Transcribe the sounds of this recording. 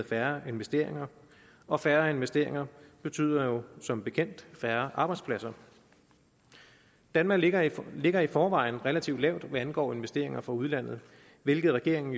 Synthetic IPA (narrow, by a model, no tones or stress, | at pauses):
fæɐe̝nʋesd̥e̝̰ɐ̰e̝ŋɐ | ʔɒ̽fæɐe̝nʋesd̥e̝ɐ̰eŋɐb̥e̝t͡sʰy̰ːð̰ˠɐjo̝sɒ̽mb̥e̝kʰen̰d̥fæɐʔɑ̈ːb̥ɑɪd̥spʰlæsɐ | d̥ænmɑ̈ɡle̝ɡ̥ɐifɒːʋɑ̈ɪ̰n̩ʁɛlæt͡sʰiʊd̥lɛʊ̰d̥ʋæænɡ̥ɒ̰ːe̝nʋesd̥e̝ɐ̰e̝ŋɐfʁɑ̈uð̞ˠlæn̰ð̞̩ˠ | ʋe̝lɡ̥ð̩ˠʁɛɡ̥e̝ɐ̰e̝ŋn̩